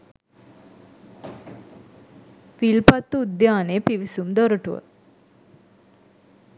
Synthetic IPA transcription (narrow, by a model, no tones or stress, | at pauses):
filpat̪ːuːd̪jaːneəpiʋisumd̪ɔɾəʈuʋə̰